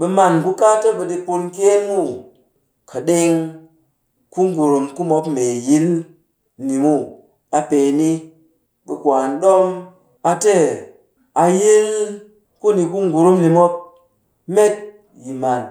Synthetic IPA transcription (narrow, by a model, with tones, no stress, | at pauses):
ɓə˧ma˧˨nku˦ka˦tə˦ɓə˧ɗi˧pu˧nke˦nmu˦˨ | kʰə˨ɗe˦ŋ | ku˦ŋ˦ɡu˨ɾu˨mku˦mo˧pme˨ji˦l | ni˨mu˦˨ | a˨pe˧˨ni˦ | ɓə˧kʷa˨nɗo˦m | a˧te˦˨ | a˧ji˦l | ku˦ni˨ku˦ŋɡu˨ɾu˦mni˨mo˦p̚ | me˦t̚ | ji˨ma˨n